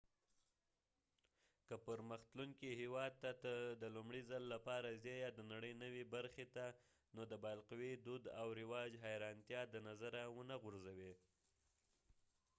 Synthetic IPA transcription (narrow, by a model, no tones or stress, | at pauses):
kəpəɾməxt̪luŋkihewɑd̪̚t̪at̪əd̪əlumɽizalːapɑɾazjɑjad̪ənaɽəjnəwebaɾxet̪a | nod̪əbɑlqwed̪ud̪awɾɪwɑd͡ʒɦajɾɑnt̪jɑd̪ənazaɾawənaɣʊɾzawe